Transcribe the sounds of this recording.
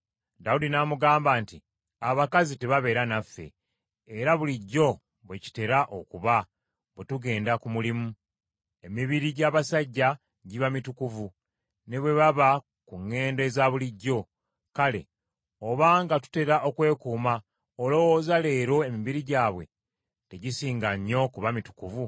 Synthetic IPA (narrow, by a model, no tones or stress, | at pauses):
daudinamuɡaːmbaːnti | aβakazite̞βaβe̞ɾanafːe̞̰ː | ɾaβuliɟːo̞ | βweci̥te̞ɾaʔo̞kuβa | βetuɡe̞ːndakumulimu | e̞miβiɾiɟaːβasaɟːa | ɟiβamitukuvu | ne̞βwe̞βaβa | kuŋːe̞ːndezaβuliɟːo̞ | kale̞̰ | oβaːŋɡatu̥te̞ɾaʔo̞kwe̞ːkuːma | olo̞wozale̞ːɾo̞e̞miβiɾiɟaːβwe̞̰ | te̞ɟisiːŋɡaɲːo̞kuβamitu̥kuvu